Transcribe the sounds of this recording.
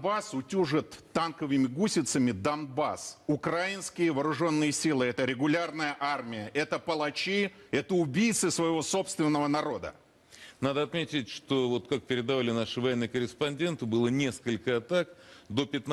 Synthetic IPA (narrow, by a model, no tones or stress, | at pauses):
basʊtʲuʐɨt̪ːankəvɨmʲɪɡusʲɪt̪səmʲɪd̪ɐnba̰sʊkɾajɪnskʲɪjəvəːɾʊʐo̞nːɨjəsʲilˠɨɛt̪əɾʲɪɡʊlʲarnəjəʔarmʲɪjəʔɛt̪əpəlˠɐt͡ɕiɛt̪əʊbʲijt̪sɨsvəjɪvo̞so̞pst̪vʲɪnːəvənɐɾo̞d̪ə̰ | nad̪əɐt̪mʲetʲɪtʲʂt̪ovot̪kak̚pʲɪɾʲɪd̪ɐvalʲɪnaʂɨvɐjenːɨjkəɾʲɪspɐnʲdʲe̞nt̪ɨbɨlˠənʲe̞skəlʲkəɐt̪akd̪opʲɪt̪n